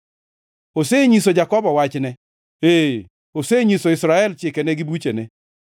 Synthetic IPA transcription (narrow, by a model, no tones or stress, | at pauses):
oseɲisod͡ʒakɔbɔwat͡ʃnɛ | e | oseɲisoɪsɾaɛlt͡ʃɪkɛnɛɡɪbut͡ʃenɛ